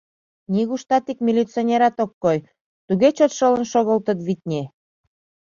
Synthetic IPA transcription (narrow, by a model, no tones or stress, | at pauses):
niɣuʃt̪ɑt̪ikmʲilʲit͡sonʲeɾɑt̪okːoj | t̪uɣet͡ɕot̪ʃɤlə̆nʃoɣəlt̪ə̆t̪βit̪̚ʲnʲe